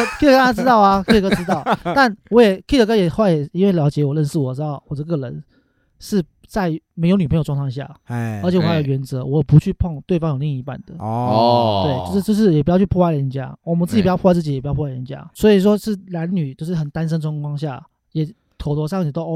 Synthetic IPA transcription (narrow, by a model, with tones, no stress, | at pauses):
kʰi˥˩ə˧˥kʈ͡ʂɻ̩˥t̪ɑ˥˩ʊa˨kʰi˥˩ə˨˩kə˥ʈ͡ʂɻ̩˥t̪ɑ˥˩ʊt̪a˥˩nwɔ˧˥jɛ˨˩kʰi˥˩ə˨˩kə˥jɛ˨˩xwa˥˩ɪjɛ˨˩i˥nwe˥˩ɪljɑ˧˥ʊt͡ɕjɛ˧˥wɔ˨˩lə˥˧nʂɻ̩˥˩wɔ˨˩ʈ͡ʂɻ̩˥˧t̪ɑ˥˩ʊwɔ˨˩ʈ͡ʂə˥˧˥ɡə˧˩ɻə˧˦n | ʂɻ̩˥˩ | t͡sa˥˩ɪm˧˥ɪjo˧ʊny˨˩pʰjwŋʰ˩˥˧ŋɕ̬ja̰˥˩ə˧˥t͡ɕʰwɔ˨˩jjo˨˩ɥɛ˧˥nt͡sɤ˧˥wɔ˧˥˨pu˧˥t͡ɕʰy˥˧pʰo˥˧ŋt̪we˥˩ɪfɑ˥ŋjo˨˩ʊli˥˩ŋi˧˥pa̰˥˩nd̪ə˩ | t̪we˥˩ɪt͡ɕo˥˧ʂ̩˥t͡ɕjo˥˧ʊʂ̬ɻ̩˥˩jɛ˨˩p̬u˧˥jɑ˥˧y˥pʰu˥˧wa˥ɪjə˧˦nt͡ɕja̰˦˥wɔ˨˩mə˦nt͡sɹ̩˥˩t͡ɕʰt͡s̩˥˩t͡ɕi˨˩pu˧jɑ˥˧˩pʰwa˥˩ə˧˦nt͡ɕja̰˥swɔ˧˥i˨˩ʂ̬wɔ˥ʂɻ̩˥˩na˧˦nny˨˩t͡ɕjo˥˧ʊʂɻ̩˥˩xə˨˩nt̪a˥˦nʂ̬ə˥nʈ͡ʂwɑ˥ŋkwɑ˥ŋɕja̰˥˩ | jɛ˨˩ | t̪ʰo˨˩ʊt̪ʰwɔ˧˥ʂ̬ɑ˥˩ŋ˨˩t̪o˥˧˥